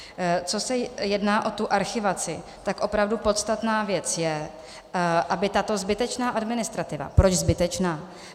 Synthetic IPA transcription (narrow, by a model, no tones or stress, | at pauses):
t͡so̞sɛjɛdnaːʔo̞t̪uʔaɾxɪvat͡sɪ | t̪akʔo̞pɾavdupo̞t̪st̪at̪naːvjɛt͡sjɛ | ʔabɪt̪at̪o̞zbɪt̪ɛt͡ʃnaːʔadmɪnɪst̪ɾat̪ɪva̰pɾot͡ʃzbɪt̪ɛt͡ʃnaː